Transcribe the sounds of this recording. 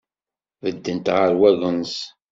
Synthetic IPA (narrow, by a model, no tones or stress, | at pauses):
vəd̪ːənt̪ʁəɾwæʝəns